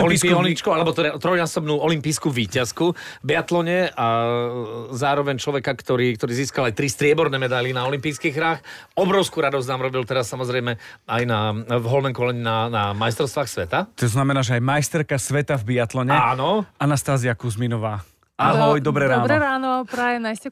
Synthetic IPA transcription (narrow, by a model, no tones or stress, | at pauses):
ɔlisiɔnit͡ʃkɔalɛbɔt̪t̪ɾɔjnaːsɔbnuːɔlimpiːskuːʋiːcaskuvbiat̪lɔɲɛa | zaːɾɔʋɛɲt͡ʃlɔʋɛkakt̪ɔɾiːk̚t̪ɔɾiːziːskalajt̪ɾist̪ɾɪɛbɔɾnɛːmɛd̪ajlinaɔlimpiːskiɣɦɾaːx | ɔbɾɔʊskuːɾad̪ɔznaːmɾɔbilt̪ɛɾasːamɔzɾɛjmɛajnavɦɔlnɛmkɔlɛɲiːnanamajst̪ɾɔʊst̪ʋaːxsʋɛt̪at̪ɔznamɛnaːʒɛajmajst̪ɛɾkasʋɛt̪avbiat̪lɔɲɛanɔanast̪aːziakuzminɔʋaː | ʔaɦɔjd̪ɔbɾɛɾaːnɛɾaːnɔaɔpɾajɛnaiscɛ